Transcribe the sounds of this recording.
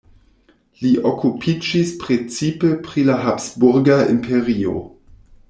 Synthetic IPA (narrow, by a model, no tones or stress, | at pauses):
liʔokupʰid͡ʒispɾet͡sipepɾilaɦapsbuɾɡaimpʰe̞ʁio̞̰